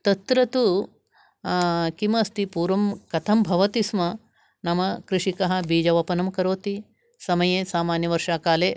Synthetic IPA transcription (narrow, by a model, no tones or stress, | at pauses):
t̪ɐt̪ɾɐt̪u | kimɐst̪ipuːɾʋɐmkɐt̪ʰɐmbʱɐʋɐt̪ismɐ | nɐmɐkɾɪʂikɐɦɐ̆biːd͡ʒɐʋɐpɐnɐmkɐɾoːt̪i | sɐmɐjeːsaːmaːnjɐʋɐɾʂaːkaːleː